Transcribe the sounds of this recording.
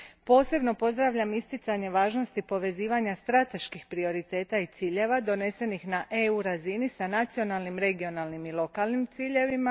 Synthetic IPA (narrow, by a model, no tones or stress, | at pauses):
po̞ːse̞bno̞po̞zd̪ɾaʋʎamist̪it̪saɲe̞ʋaːʒno̞st̪ipo̞ʋe̞ziːʋaɲast̪ɾat̪e̞ʃkixpɾio̞ɾit̪e̞ːt̪ait̪siːʎe̞ʋad̪o̞ne̞se̞nixnaʔe̞uɾazinisanat̪sio̞nalnimɾe̞ɡio̞nalnimilˠo̞kalnimt̪siːʎe̞ʋima